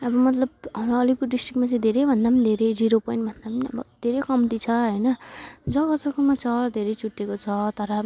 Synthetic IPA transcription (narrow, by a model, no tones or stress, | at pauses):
ʌbʌmʌt̪lʌb̚ɦamʌlipuɖisʈrikmat͡sʌ̃ĩd̪ʱeɾʌjbʱʌnd̪apʌnid̪ʱeɾʌjd͡ziɾopʌjnʈbʱʌnd̪apʌnniʌ̰bʌd̪ʱeɾʌjkʌmt̪it͡sʰʌɦʌjnʌd͡zʌkʌsakumat͡sʰʌd̪ʱeɾʌjt͡suʈːekot͡sʰʌt̪ʌɾʌ